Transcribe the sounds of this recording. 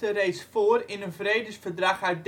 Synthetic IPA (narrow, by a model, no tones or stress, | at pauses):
ərejtsfoːərɪnənvrejdəsfərdraxœɥt̚d